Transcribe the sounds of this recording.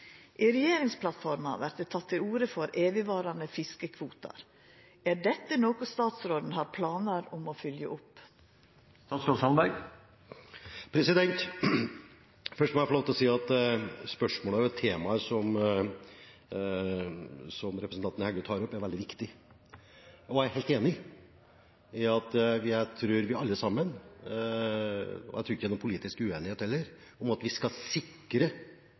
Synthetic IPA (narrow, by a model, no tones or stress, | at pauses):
ʔiɾɛjeːɾɪŋspʰlɑt̪fɔɾmɑ̰ʋæɾʈ̪̚d̪ɛt̪ʰɑt̪ʰːɪluːɾəfɔɾʔeːʋɪʋɑːɾɑnəfɪskəkʰʋuːt̪ɑ̰ɾ | æɖɛt̪ːənoːkʊst̪ɑːt̪sɾoːd̪n̩hɑɾpʰlɑːnəɾʊmofʏljəʔʊpː | st̪ɑːt̪sloshɑnbæɡ | pʰɾɛsɪd̪ɛnt̪ | fœʂʈmɛæfɔɾloːʋt̪ɪlɔsiːɑt̪spœʂmoːləæɾʊɛt̪ʰːeːmɑəʂɔm | sɔmɾɛpɾəsn̩t̪ɑnt̪ənəhɛɡət̪ʰɑːɾɔpːæɾʋɛld̪ɪʋɪkt̪ɪ | ɔæheːlt̪eːnɪ | ɪɑt̪ʋɪt̪ʰɾʉːɾʋɪɑlːəsɑmːən | ɔ̰æ̰t̪ɾʉːɪçːəɛnɔmpʰʊliːt̪ɪskʉeːnɪheːt̪hɛlːəɾ | ɔmɑt̪ʋɪskɑsɪkː | ɾə